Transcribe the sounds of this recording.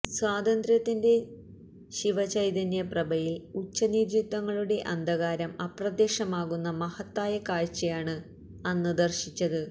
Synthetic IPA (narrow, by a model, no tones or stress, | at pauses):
swaːd̪ɐnd̪rjɐt̪ːinde̞ | ɕiʋɐt͡ɕɐjd̪ɐnjɐprɐbɐjilut͡ɕːɐnidjit̪wɐŋːɐɭuɽe̞ʔɐnd̪ʱɐɣaːɾɐmɐprɐd̪eːʂɐmaːɣunːɐmɐhɐt̪ːaːjɐkaːɻt͡ɕːɐjaːɳɨ | ɐnːɨd̪ɐrɕit͡ɕːɐðɨ